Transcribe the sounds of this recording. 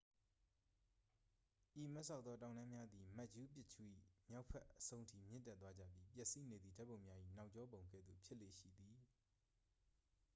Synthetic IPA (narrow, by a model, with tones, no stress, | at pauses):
ʔi˨mɛ˦ʔsʰã˦˨ʊt̪ðɔ˦t̬ã˨ʊ̃nã˦mja˦d̪i˨ma˦ʔd͡ʑu˦pjɪ˦ʔt͡ɕʰṵ˦˨ʔḭ˦˨mja˦ʊpʰɛ˦ʔəsõ˦ʊ̃ntʰḭ˦˨mjɪ̰̃˦ntɛ˦t̪wa˦d͡ʑä̰˦˨pji˦pjɛ˦ʔsi˦ne˨d̪ðḭ˨da˦pːõ˨ʊ̃mja˦ʔḭ˦˨na˦ʊʔt͡ɕɔ˦bõ˨ʊ̃ŋɡɛ̰˦˨d̪ðṵ˦˨pʰjɪ˦ʔlḛ˦˨ʃḭ˦˨d̪i˨